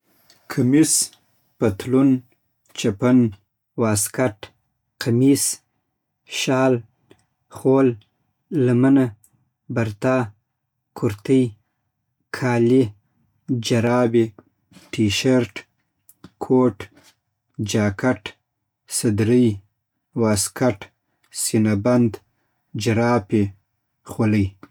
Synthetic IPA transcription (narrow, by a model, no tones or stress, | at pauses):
kʰamis | pat̪lun | t͡ʃapən | wɑːskaʈ | qamis | ʃɑːl | xolː | aməna | baɾt̪ɑ | kʰʊɾt̪əj | kʰɑːli | d͡ʒaɾɑːbi | ʈiʃaɾʈ | kʰoʈ | d͡ʒɑːkʰaʈ | sad̪ɾəj | waːskaʈ | sinaband̪ | d͡ʒaɾɑːpi | xoləj